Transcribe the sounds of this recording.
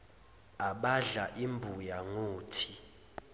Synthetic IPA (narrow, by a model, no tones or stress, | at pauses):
aɓaɮaʔimbʱujaŋoːtʰi̥